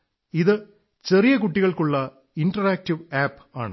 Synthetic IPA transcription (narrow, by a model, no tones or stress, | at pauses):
iðɨ | t͡ɕe̞rijɐkuʈːiɣɐɭkuɭːɐ | inʈɐraːk̚tiʋaːpː | aːɳɨ